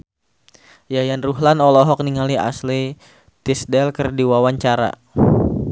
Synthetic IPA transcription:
jajanruɦlanɔlɔɦɔk̚niŋalia̰sli | t̪isdɛlkərdiwawaɲt͡ʃaɾa̰

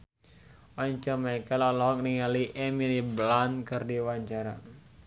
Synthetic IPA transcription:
ʔɔɲt͡ʃɔmaikalalɔɦɔk̚niŋaliʔɛmiliblankərdiwaɲt͡ʃaɾa̰

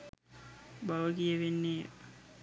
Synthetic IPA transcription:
baʋəɡijəʋenːeː

